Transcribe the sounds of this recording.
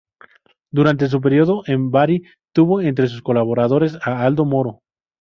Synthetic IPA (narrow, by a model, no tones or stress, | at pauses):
d̪uɾant̪es̬up̬eɾjoðoʔembaɾi | t̪uβoent̪ɾes̬usko̞laβo̞ɾaðo̞ɾe̞saald̪omo̞ɾo̞